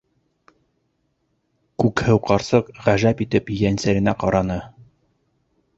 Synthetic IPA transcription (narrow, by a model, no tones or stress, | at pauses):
kʉkhɘwqɑɾsɤqʁæʒæpit̪ɘpjænsæɾɘ̆næqɑɾɑnɤ